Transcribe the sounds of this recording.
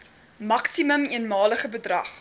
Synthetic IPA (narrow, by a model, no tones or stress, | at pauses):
mɐksiməmiənmɑːləχəbədrɐχ